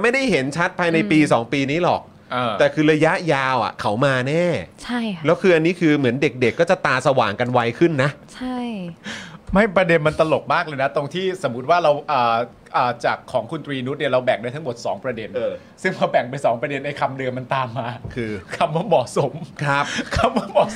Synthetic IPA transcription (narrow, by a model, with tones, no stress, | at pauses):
ma˥˩jda˥˩jɦe˩˦nt͡ɕʰa˦˥t̪̚pʰaː˧jna˧jpiː˧sɔː˩˦ŋpiː˧niː˦˥lɔ̰ː˨˩k̚ | ʔaː˧ɛː˨˩kʰɯː˧ɾa˧ja˦˥ʔjaː˧wʔa̰˨˩kʰa˦˥wmaː˧nɛː˥˩t͡ɕʰa˥˩jlɛː˦˥wkʰɯː˧ʔa˧nːiː˦˥kʰɯː˧mɯ˩˦ənde˨˩k̚de˨˩kːɔː˥˩t͡ɕa˨˩t̪aː˧sa˧wa̰ː˨˩ŋka˧nwa˧jkʰɯ˥˩nːa˦˥ʔt͡ɕʰa˥˩j | ma˥˩jpɾa˧de˧nma˧nt̪a˧lo˨˩p̚maː˥˩k̚lɤː˧jna˦˥t̪o˧ŋt̪ʰiː˥˩so˩˦mːu˦˥t̪̚waː˥˩ɾa˧wʔəː˨˩ | ʔaː˨˩t͡ɕaː˨˩kʰːɔː˩˦ŋkʰu˧nt̪ɾiː˧nu˦˥t̪̚ni˧˨˩ɾa˧wbɛ˨˩ŋ̚daː˧˩jt̪ʰŋmu˨˩t̪̚sɔ̰ː˩˦ŋpɾa˧de˧nʔɤː˧ | sɯ˥˩ŋpʰɔ˧bɛ˨˩ŋpe˧nsɔː˩˦ŋpɾa˧de˧nʔa˧˩jkʰa˧mdɯ˧əmːa˧nt̪aː˧mːaː˧kʰɯː˧kʰa˧mwaː˥˩mɔː˨˩so˨˩˦mkʰɾa˦˥p̚kʰa˧mwaː˥˩mɔ˨˩